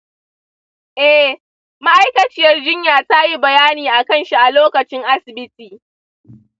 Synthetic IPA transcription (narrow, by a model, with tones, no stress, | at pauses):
ʔɛ˦ | ma˦ʔa˦jkɐ˨t͡ʃɪ˦jɐ˦rd͡ʒɪ˦ɲjaː˨ta˦ji˦bɐ˨jaː˦niː˨ʔa˨kɐ˦nʃi˦ʔa˨loː˦kɐ˨t͡ʃɪ˦ŋʔa˦sɪ˨bɪ˦tiː˨